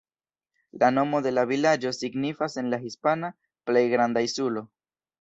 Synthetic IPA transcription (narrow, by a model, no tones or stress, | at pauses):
lano̞mo̞d̪e̞lavilad͡ʒo̞siɡnifase̞nlaɦispana | ple̞jɡɾand̪aisulo̞